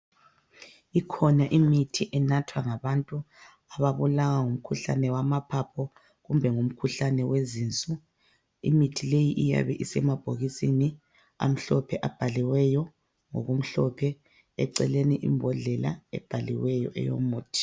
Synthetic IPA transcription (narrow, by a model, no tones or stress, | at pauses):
ikʰɔnaʔimitʰiʔɛnatʰwaŋaβantʼu | aβaβulaɣaŋum̩kʰuɬa̰nɛwamapʰapʰɔ | ɣumbʱɛŋum̩kʰuɬanɛwezint͡sʼu | ḭmitʰilejiʔija̰βɛʔisɛmab̥ʱoɣisini | a̰m̩ɬɔpʰɛʔab̥ʱaliwɛjɔ | ŋo̰ɣum̩ɬɔpʰɛ | ɛ̰ǀɛleniʔḭmbʱɔɮɛla̰ɛ̰b̥ʱalḭwɛjɔ̰ʔɛ̰jo̰muːtʰi̥